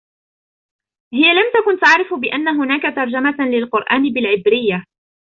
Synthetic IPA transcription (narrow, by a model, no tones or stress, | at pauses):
hɪjalamt̪akʊnt̪aʕɾɪfbɪʔanːaɦʊnaːkat̪ɑɾˤd͡ʒamalɪlqʊɾʔaːnɪbɪlʕɪbɾɪjːa